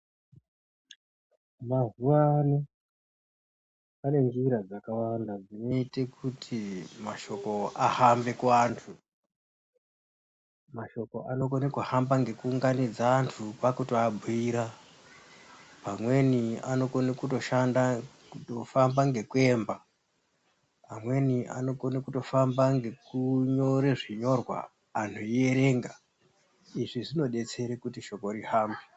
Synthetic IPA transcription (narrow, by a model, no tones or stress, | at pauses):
mazuwani | pane̞nd͡ʒiɾad͡zakawandad͡zino̞itekutʰimaʃo̞ko̞ahambe̞kuantʰu | maʃo̞ko̞ʔano̞konekuhambaŋɡe̞kuːŋɡanid͡zaːntʰupakutiabʱuiːɾa | pamwe̞nia̰no̞konekuto̞ʃanda | utofambaŋɡe̞kue̞ːmba | amwe̞niʔa̰no̞konekuto̞fambaŋɡekuɲo̞ɾeʐiɲo̞rwa̰ | aːn̤oie̞ɾe̞ŋɡa | iʐiʐino̞ɗe̞t͡se̞ɾekutiʃo̞ko̞ɾihaːmbi